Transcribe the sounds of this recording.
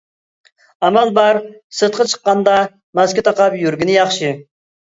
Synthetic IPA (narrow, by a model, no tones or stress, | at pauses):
ɑmælˠbɑɾsɨt̪̚qɑt͡ʃʰə̥qːɑnd̪ɑ | mɑskʲit̪ʰɑqɑpjyɾɡʲinɪjɑχʃɨ